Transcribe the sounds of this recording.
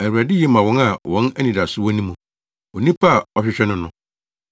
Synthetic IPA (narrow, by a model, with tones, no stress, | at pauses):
æ˨wu˨ɾæ˨dɪ˦jɛ˦mã˨wɔ̃˦na˨wɔ̃˨˦næ˦nĩ˨da˨sʊ˦wɔ̃˦nĩ˦mũ˨ | o˨nĩ˦pʰa˦˨ɔ˨ɕᶣɪ˨ɕᶣɛ˦nʊ̃˦nʊ̃˨˦